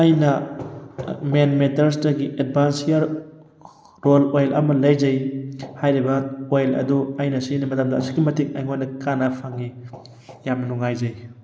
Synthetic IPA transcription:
ajnɐ | menmetɐɾs̬dɐɡiʔed̚bansijaɾ | ɾolojlɐmɐlɐjd͡ʒɐjhajɾibɐojlɐ̰duajnɐsinɐmɐtɐmdɐːsi̥kimɐtika̰jŋojnɐkanɐpʰaŋi | jamnɐnuŋajd͡ʒɐj

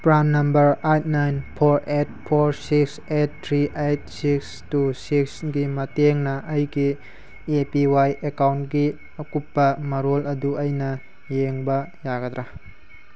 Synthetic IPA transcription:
pɾannːɐmbɐɾajt̚najnpʰoɾet̚pʰoɾsikset̚ːʰɾiʔejt̚siks | tusiksɡimɐteŋnɐʔɐjɡi | epiwajʔekawntɡi | ɐkupːɐmɐɾolɐduɐjnɐ | jeŋbɐjaɡɐd̪ɾa

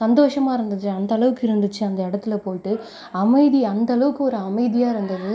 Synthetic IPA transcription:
sɐnd̪oːʂɐmaːɪɾɯnd̪ɯt͡ʃːɯɐnd̪ɐːɭɐʋɯkːɪɾɯnd̪ɯt͡ʃːɯɐnd̪ɐɪɽɐt̪ːɪlɐpoːʈːɯ | ɐmɐɪðiɐnd̪ɐɐɭɐʋɯkːɯɔɾɯɐmɐɪðɪjaːɪɾɯnd̪ɐðɯ

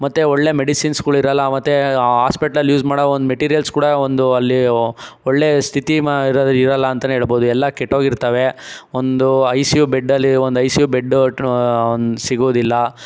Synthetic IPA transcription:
mɐt̪ːeɔɭːe̞ːmeɽisinskuːɽɐiɾɐlːɐmɐt̪ːeaːspeʈɐlɐljuːd͡ʒmaːɽɐond̪umeʈiːɾijɐlskuːɽɐond̪uɐlːioɭːe̞st̪ʰit̪iiɾd̪iɾɐlːɐːnt̪ɐneɦeːɭbo̞ːd̪uɛlːɐkeʈːoːɡiɾt̪ɐʋe̞ond̪uɐjsjubeɖːɐlːiond̪ɐjsjubeɖː | nsiɡoːd̪ilːɐ

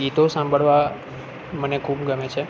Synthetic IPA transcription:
ɡit̪osãmbʱəɭʋa | mənekʰubɡəmet͡ʃʰe

